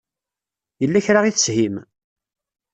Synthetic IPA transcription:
jəlːæçɾaʁiθə̥shim

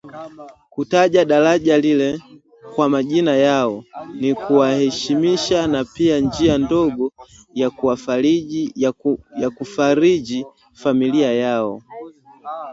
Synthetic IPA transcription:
kutaʄaɗalaʄalilɛ | kwamaʄinajaɔnikuwahɛʃimiʃanapiand͡ʒiandɔɡɔ | jakuwai | jakufaɾiʄi | familiajaɔ̰

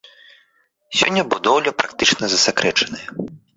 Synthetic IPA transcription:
sʲɔ̰nʲːɐbud̪ɔwlʲɐpɾakt̪ɨt͡ʂnɐzɐsakɾʔɛt͡ʂɐnɨjɐ

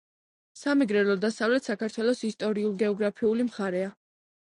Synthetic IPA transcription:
samɛɡɾɛlˠɔd̪asavlɛt̪ʰsakaɾt̪ʰwɛlˠɔsist̪ʼɔɾiulˠɡɛɔɡɾapʰiulimχaɾɛa

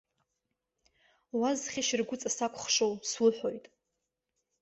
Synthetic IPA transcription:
wazχʲaʃɪrɡʷʊt͡sʼasakʷʰʼχʂowswɨħʷᶣo̞jtʼ

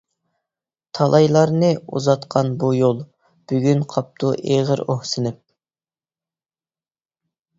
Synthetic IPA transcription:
t̪ʰɑlˠɑjlˠɑɾnɨṵzɑt̪qʰɑnbujolˠ | b̥yɡʲynqʰɑp̚t̪ʰuʔeʁəɾohsɪnɪp̚

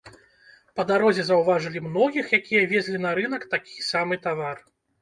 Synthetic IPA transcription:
pɐd̪aɾɔzʲɛzɐwvaʐɨlʲimn̪ɔɣʲixjakʲijɐvʲɛzʲlʲinɐɾɨn̪ɐkt̪akʲi̥samɨt̪avar

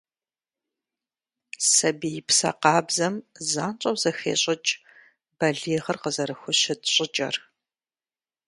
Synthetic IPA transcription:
sɐbijɪpsɐ̰qɑːbzɐmzaːnt͡ʃʼɐwz̥ɐxḛːɕʼɪt͡ʃʼ | bɐɮiːʁɐrqəzɐɾɨxʷʊɕɪdɕʼɪt͡ʃʼɐ̰r

